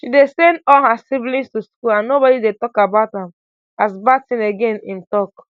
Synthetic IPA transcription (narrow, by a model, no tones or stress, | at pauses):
ʃidesɛ̃ndɔlhasivlĩnstuskulãnːobɔdidetɔkabaʊthãm | asbatĩneɡẽnĩmtɔk